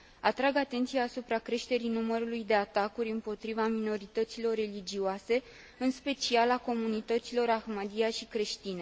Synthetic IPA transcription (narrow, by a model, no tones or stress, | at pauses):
at̪ɾaɡat̪e̞nt̪sijaːsupɾakɾe̞ʃt̪e̞ɾinuməɾulujd̪e̞at̪akuɾʲɨmpo̞t̪ɾivamino̞ɾit̪ət̪silo̞rːe̞lid͡ʒioase̞ | ɨnspe̞t͡ʃialako̞munit̪ət̪silo̞ɾaxmad̪iaʃikɾe̞ʃt̪ine̞